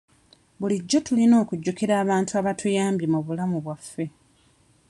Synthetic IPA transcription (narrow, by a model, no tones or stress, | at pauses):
buliɟːo̞tulino̞ːkuɟːukiɾaːβaːntuaβatʰujaːmbimuβulamuβwafːe̞